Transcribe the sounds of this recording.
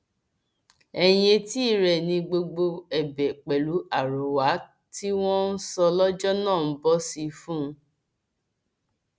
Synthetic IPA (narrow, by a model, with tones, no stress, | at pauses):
ɛ˧˨j̃ẽ˧ti˦˨ɾɛ˨nĩ˧ɡ͡bo˧ɡ͡bo˧ɛ˨bɛ˨k͡pɛ˨lu˨˦a˨ɾo˨wa˨˦ | ti˦w̃ɔ̃˦n̩˦sɔ˧lɔ˦d͡ʒɔ˦nãː˦˨n̩˦bɔ˦si˧fũ˦˧˦